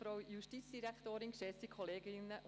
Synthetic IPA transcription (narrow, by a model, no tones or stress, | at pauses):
fɾɔwjuʃtit͡sd̥iɾækʰt̪oːɾinʃɛsikʰɔleːɡɪnːəʔ